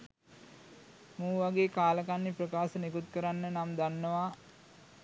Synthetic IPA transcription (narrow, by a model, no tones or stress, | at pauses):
muːʋaɡeːkaːləkanːiprəkaːsənekut̪kəɾanːənamd̪anːəʋa